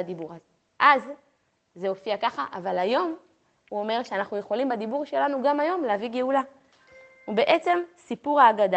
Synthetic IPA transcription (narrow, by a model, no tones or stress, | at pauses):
ad̪ibuʁaze | ʔazː | eo̞fiakaχaʔavalajo̞m | uo̞me̞ʁʃeanaχnuje̞χo̞limbad̪ibuʁʃe̞lanuɡamajo̞mleaviɡeula | ube̞ʔe̞t͡se̞msipuʁaːɡad̪